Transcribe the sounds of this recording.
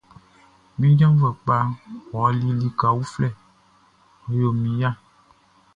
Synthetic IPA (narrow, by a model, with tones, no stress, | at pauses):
mĩ˦d͡ʒã˦va˨k͡pa˦wɔ˨˦li˦li˦ka˨wu˦flɛ˦˨ | o˨˦jo˨mĩ˨ja˦